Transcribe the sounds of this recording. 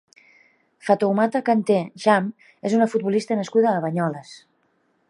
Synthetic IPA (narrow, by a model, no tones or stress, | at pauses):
fat̪owmat̪akant̪eʒam | ezunəfut̪̚βulist̪ənəskuðəːβəɲɔləs